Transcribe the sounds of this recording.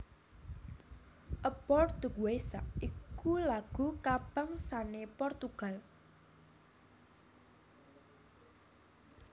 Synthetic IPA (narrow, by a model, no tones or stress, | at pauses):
ʔəbɔrd̪̥əkuwesaʔikulaɡ̥ṳkab̥a̤ŋsanepɔrt̪uɡ̥a̤l